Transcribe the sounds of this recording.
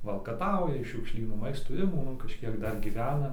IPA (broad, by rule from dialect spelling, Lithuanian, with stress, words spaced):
ʋɐlˠkɐˈtɐʊjɛ ɪʃ ʃʲʊkˈʃʲlʲiːnuː ˈmɐɪstuː ˈɪmɐ kɐʃʲˈkʲiɛk ˈdɐr ɡʲiːˈʋʲæːnɐ